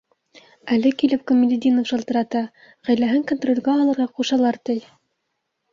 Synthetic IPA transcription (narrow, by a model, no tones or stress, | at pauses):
ælɘkilɘp̚komʲɪlʲɪd̪ʲinofʃɤ̆lˠt̪ɤ̆ɾɑt̪ɑ | ʁæjlæɦɘŋkont̪rolʲɡæɑlˠɤ̆ɾʁɑquʃɑlˠɑɾt̪ɤj